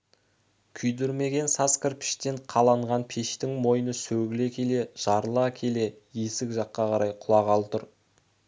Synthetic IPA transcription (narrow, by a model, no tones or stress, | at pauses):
kʲʰʏjd̪ʏɾme̞ɡʲe̞nsɑskʲəɾpʰɪ̥ʃt̪e̞ɴqʰɑlˠɑɴʁɑnpʰeʃt̪ɪŋmo̞jənəsɵɡʲɪle̞kʲʰe̞le̞ʒ̥ɑɾəlˠɑkʲʰe̞le̞jesɪkʒɑqːɑqʰɑɾɑjqʰʊlˠɑʁɑlˠt̪ʊɾ